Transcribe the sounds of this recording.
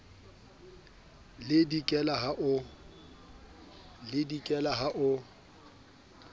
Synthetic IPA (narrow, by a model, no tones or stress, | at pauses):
lɪdikʼɛlaɦaʔʊ | lɪdikʼɛlaɦaʔʊ